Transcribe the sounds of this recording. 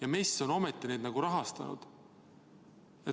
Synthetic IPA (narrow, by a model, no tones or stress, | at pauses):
jɑmesːo̞no̞met̪ːˑine̞ːd̪nɑɡ̥uɾɑɦɑst̪ɑ̰nṵd̪̥ | e